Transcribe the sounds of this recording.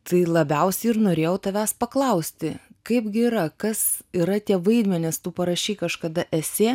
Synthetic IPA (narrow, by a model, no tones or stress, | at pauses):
t̪ɐɪlˠɐbʲɛʊsʲɛɪɪɾnoːɾʲeːjɛʊt̪ɐʋʲæːspɐklˠɐʊsʲt̪ʲɪkɐɪpɡʲɪiːɾɐkɐsiɾɐt̪ʲiɛʋɐɪd̪ʲmʲɛnʲɪst̪uːpɐɾɐʃʲɛɪkɐʃkɐd̪ɐʔɛsʲeː